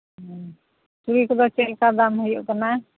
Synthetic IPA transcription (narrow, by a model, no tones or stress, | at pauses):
ɦ | tuɾikɔd̪ɔt͡ʃɛlkad̪amɦɔjɔ̰ʔkana